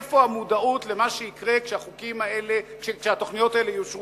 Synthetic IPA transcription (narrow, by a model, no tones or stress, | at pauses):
fo̞amud̪aut̪lemaʃeikʁe̞kʃeaχukimaelekʃekʃeat̪o̞χnijo̞t̪aelejuʃʁ